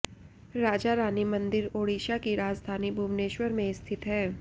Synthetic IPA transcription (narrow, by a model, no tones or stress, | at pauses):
ɾaːd͡ʒaɾaːnimɐ̃nd̪ɪɾoːɽiːʃakiɾaːd͡ʒd̪ʱaːnibʱumneːʃwəɾmẽst̪ʰɪt̪ɦɛː